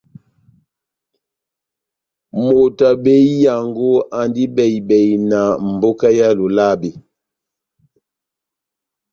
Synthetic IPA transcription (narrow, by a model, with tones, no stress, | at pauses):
mo˨ta˨be˦i˦ja˨ŋɡo˦ʔa˨ndi˦bɛ˨i˨bɛ˨i˨na˨m̩˨bo˦ka˦ja˦lo˨la˦˨be˨